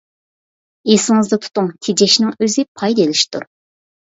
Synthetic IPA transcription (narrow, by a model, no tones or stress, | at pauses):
esɪŋɨzd̪ɑt̪ʰu̥t̪uŋt̪ʰed͡ʒɛʃnɪŋøzɪpʰɑjd̪elɪʃt̪ʰṵɾ